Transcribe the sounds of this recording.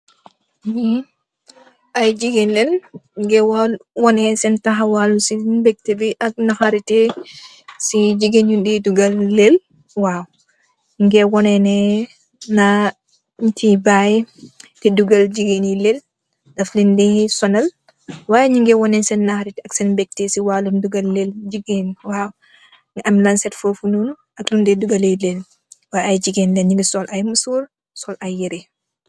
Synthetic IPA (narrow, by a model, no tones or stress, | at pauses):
ʔajd͡ʒiɡenlɛlŋɡɛwalwɔnɛnsɛntaɦawalusibɛk̚tebiʔak̚nahaɾitɛ | sid͡ʒiɡenudiduɡalːel | waːw | ŋɡɛwɔnɛnɛ | na | tibajtiduɡɐld͡ʒiɡenilel | dɐflindisɔnɐl | wajɲiŋɡɛwɔnɛnsɛnːahɾitɐksɛnbɛk̚tesiwalunduɡɐlːeld͡ʒiɡenwaːw | ŋɐmlansɛtfofunulu | ʔɐklundɛduɡɐlejlel | waajd͡ʒiɡendɛɲiŋɡisɔlʔajmusuːɾ | sɔlʔajːɛɾɛ